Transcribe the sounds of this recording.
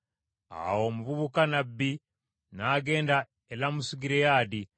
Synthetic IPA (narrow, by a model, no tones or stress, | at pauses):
a̰wo̞muvuβukanabːi | naɡe̞ːnda | elamusuɡiɾejaːdi